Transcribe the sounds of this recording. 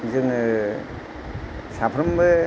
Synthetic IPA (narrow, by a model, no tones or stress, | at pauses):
zɯŋ | sapʰɾɯmbɯ